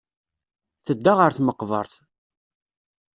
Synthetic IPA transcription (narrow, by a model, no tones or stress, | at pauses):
θəd̪ːaʁəɾθməqːvˤə̰ɾˤθ